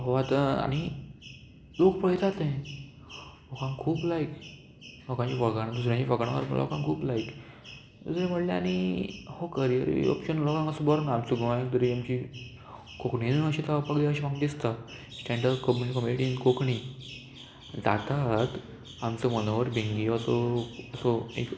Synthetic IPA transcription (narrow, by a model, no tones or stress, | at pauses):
ɦoat̪əa̰ñi | lokpəɭt̪at̪ẽ | lɔkãŋkʰuːplajk | lɔkãɲt͡ɕifəɭɡaɽ̃ad̪usɾjãt͡ɕifəkɽ̃aʋə̰ɾmlɔ̰kãŋkʰuːplajk̪ | usɾẽm̤əʈlaanihokəɾijəɾḭɔ̰pɕənlɔkãŋɡəsəbɔɾnaamt͡suɡʱəʋãjãkd̪uɾiamt͡ɕi | kokɳinəɕit̪aapakleaɕiʋãɡd̪ist̪a | sʈɛ̃ɳɖəɾkomkəmeʈinkokɳi | d͡zat̪at̪ | amt͡səmənoʋəɾbʱiŋɡiəsoəsoḛk